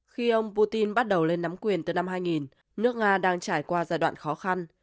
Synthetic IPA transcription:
xi˧ʔə˧wŋ͡mpu˧t̪i˧nɓa˦˥t̚ɗə˨˩wle˧nːa˨˦mkwi˨˩ənt̪ɨ˨˩na˧mɦaː˧jŋi˨˩n | nɨ˦˥ək̚ŋaː˧ɗaː˧ŋt͡ɕaː˧˩jkwaː˧zaː˧jɗwa̰ː˧˨nxɔ˨˦xa˧n

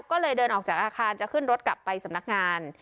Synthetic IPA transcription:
kɔː˥˩lɤː˧jdɤː˧nʔɔː˨˩k̚t͡ɕaː˨˩ʔaː˧kʰaː˧nt͡ɕa˨˩kʰɯ˥˩nɾo˦˥t̪̚kla˨˩pːa˧jsa˩˦mna˦˥k̚ŋaː˧n

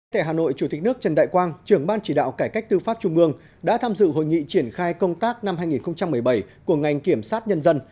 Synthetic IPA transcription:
t̪ʰaː˧˩ɦaː˨˩no̰˧˨jt͡ɕu˧˩t̪i˨˩k̟̚nɨ˦˥k̚t͡ɕə˨˩nɗa̰ː˧˨jkwaː˧nt͡ɕɨ˨˩əŋɓaː˧nt͡ɕi˧˩ɗa̰ː˧˨wkaː˧˩jka˦˥k̟̚t̪ɨ˧faː˦˥p̚t͡ɕʊ˧ŋ͡mʔɨ˧əŋ | ɗa̰ː˧˥t̪ʰaː˧mzɨ̰˧˨ɦo̰˧˨jŋḭ˧˨t͡ɕi˧˩ənxaː˧jkə˧wŋ͡mt̪aː˦˥k̚na˧mhaː˧jŋi˨˩nxə˧wŋ͡mt͡ɕa˧mːɨ˨˩əjɓə˧˩jku˧˩əŋa˨˩jŋ̟ki˧˩əmsaː˦˥t̚ɲə˧nzə˧n

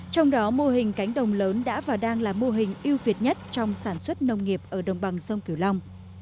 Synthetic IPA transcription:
t͡ɕɔ˧wŋ͡mɗɔ˨˦mo˧ɦï˨˩ŋ̟ka˨˦jŋ̟ɗə˨˩wŋ͡mləː˨˦nɗa̰ː˧˥vaː˨˩wɗaː˧ŋlaː˨˩mo˧ɦï˨˩ŋ̟ʔi˧əwvi˨˩ət̚ɲə˦˥t̚t͡ɕɔ˧wŋ͡msaː˧˩nswə˦˥t̚nə˧wŋ͡mŋi˨˩əp̚ʔəː˧˩ɗə˨˩wŋ͡mɓa˨˩ŋsə˧wŋ͡mki˧˩əwla˧wŋ͡m

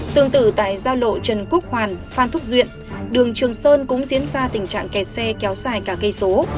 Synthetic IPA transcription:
t̪ɨ˧˨əŋt̪ɨ˧˩t̪a̰ː˧˨jzaː˧wlo̰˧˨t͡ɕə˨˩nku˦˥ək̚hwaː˨˩nfaː˧˩nt̪ʰʊ˦˥k͡p̚zwḭ˧˨ən | ɗɨ˨˩əŋt͡ɕɨ˨˩əŋsəː˧nkʊ̰˧˥ŋ͡mzi˨˦ənzaː˧t̪ï˨˩ŋ̟t͡ɕa̰ː˧˨ŋkɛ˨˩t̚sɛ˧kɛ˨˦wz̥aː˧˩jkaː˧˩kə˧jso˨˦

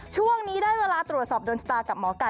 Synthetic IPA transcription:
t͡ɕʰu˥˩əŋniː˦˥daː˥˩jweː˧laː˧t̪ɾu˨˩t̪̚sɔː˨˩p̚doː˧nsa˧˩t̪aː˧ka˨˩p̚mɔː˩˦ka˨˧˩

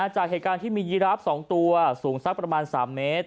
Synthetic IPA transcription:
a˧t͡ɕaː˨˩k̚eː˨˩t̪̚kaː˧nt̪ʰiː˥˩miː˧ji˦˥ɾa˦˥p̚sɔː˩˦ŋt̪u˧ɐsuː˩˦ŋsa˦˥k̚pɾa˧maː˧nsaː˩˦mːeː˦˥t̪̚

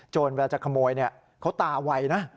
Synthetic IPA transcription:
t͡ɕoː˨˩nwɛː˧t͡ɕaː˨˩kʰa˧moː˧jni˥˩ɐ | kʰa˦˥wt̪aː˨˧˩wa˧jna˦˥

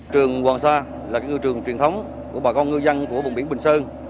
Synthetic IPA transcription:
t͡ɕɨ˨˩əŋkwaː˨˩ŋsaː˧ | laː˨˩kaː˦˥k̚ɨ˧t͡ɕɨ˨˩əŋt͡ɕwi˨˩ənt̪ʰə˨˦wŋ͡m | ku˧˩əɓa˨˩kɔ˧ŋ͡mŋɨ˧za˧nku˧˩əvʊ˨˩ŋ͡mɓi˧˩əɓï˨˩ŋ̟səː˧n

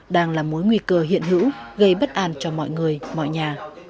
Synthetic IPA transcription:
ɗaː˧ŋlaː˨˩mo˨˦jŋwi˧kəː˧ɦḭ˧˨ənɦɨ̰˧˥wɣə˧jɓə˦˥t̚ʔaː˧˩nt͡ɕɔ˧mɔ̰˧˨jŋɨ˨˩əjmɔ̰˧˨jɲaː˨˩

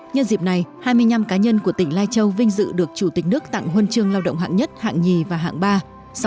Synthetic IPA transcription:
ɲə˧nzi˨˩p̚na˨˩jhaː˧jmɨ˧əjɲa˧mkaː˨˦ɲə˧nku˧˩ət̪ï˧˩ŋ̟laː˧jt͡ɕə˧wvï˧ŋ̟zɨ̰˧˨ɗɨ˨˩ək̚t͡ɕu˧˩t̪i˨˩k̟̚nɨ˦˥ək̚t̪a̰˧˨ŋɦwə˧nt͡ɕɨ˧əŋlaː˧wɗə̰˧˨wŋ͡mhɦa̰ː˧˨ŋɲə˦˥t̚ha̰ː˧˨ŋɲi˨˩vaː˨˩ɦa̰ː˧˨ŋɓaː˧ | s

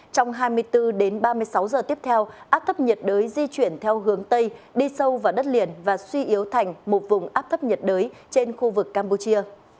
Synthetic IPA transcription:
t͡ɕɔ˧wŋ͡mɦaː˧jmɨ˧əjt̪ɨ˧ɗe˨˦nɓaː˧mɨ˧əjsa˨˦wzəː˨˩t̪i˦˥əp̚t̪ʰɛ˧wʔaː˦˥p̚t̪ʰə˦˥p̚ɲə˨˩t̚ɗəː˨˦jzi˧t͡ɕwi˧˩ənt̪ʰɛ˧wɦɨ˨˦əŋt̪ə˧jɗi˧sə˧wvaː˨˩ɗə˦˥t̚li˨˩ənvaː˨˩swi˧ʔi˨˦əwt̪ʰa˨˩jŋ̟mo˨˩t̚vʊ˨˩ŋ͡mʔaː˦˥p̚t̪ʰə˦˥p̚ɲə˨˩t̚ɗəː˨˦jt͡ɕe˧nxu˧vɨ˨˩kːaː˧mpu˧t͡ɕi˧ə

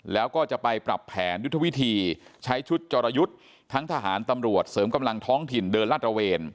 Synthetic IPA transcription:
lɛː˦˥wkɔː˥˩t͡ɕa˨˩pa˧jpɾa˨˩pʰːɛː˩˦nju˦˥t̪ʰːwi˦˥t̪ʰiː˧t͡ɕʰa˦˥jt͡ɕʰu˦˥t̪̚t͡ɕɔː˧ɾa˧ju˦˥t̪̚ʰː | a˦˥ŋt̪ʰa˧ɦaː˩˦nt̪a˧mɾu˨˩ət̪̚sɤː˩˦mka˧mla˧ŋt̪ʰɔː˦˥ŋt̪ʰi˨˩ndɤː˧nlaː˥˩t̪̚ɾa˧weː˧n

